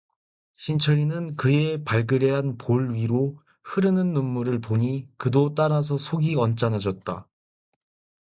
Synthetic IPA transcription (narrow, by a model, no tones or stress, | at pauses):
ɕʰint͡ɕʰʌɾinɯnkɯepaɭɡɯɾeɦanpoɭɥiɾo | hɯɾɯnɯnːumːuɾɯɭpoɲikɯdot͈aɾas̬ʰʌsʰoɡiʌnt͡ɕ͈anad͡ʑʌt̚t͈a̰